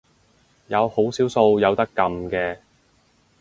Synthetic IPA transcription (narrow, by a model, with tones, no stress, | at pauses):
jɐ˨˧who˨˥wsiː˨˥wso˧wjɐ˨˧wt̪ɐ˥kːɐ˨˧mkɛː˧